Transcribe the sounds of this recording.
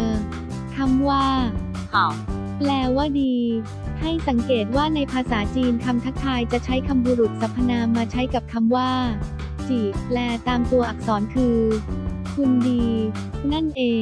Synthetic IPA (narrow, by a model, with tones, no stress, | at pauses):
ʔɤː˧˩ | kʰa˧mwaː˥˩˧ | plɛː˧waː˥˩diː˧ | ha˥˩jsa˩˦ŋkeː˨˩t̪̚waː˥˩na˧jpʰaː˧saː˩˦t͡ɕiː˧nkʰa˧mt̪ʰa˦˥k̚t̪ʰːaː˧jt͡ɕa˨˩ʔt͡ɕʰa˦˥jkʰa˧mbuː˧ɾu˨˩t̪̚sa˨˩˦pʰːa˧naː˧maː˧t͡ɕʰa˦˥jka˨˩p̚kʰa˧mwaː˥˩ | t͡ɕiː˨˩p̚lɛː˧˩t̪aː˧mt̪u˧ɐʔa˨˩k̚sɔː˩˦nkʰɯː˧ | kʰu˧ndiː˧ | na˥˩nʔeː˧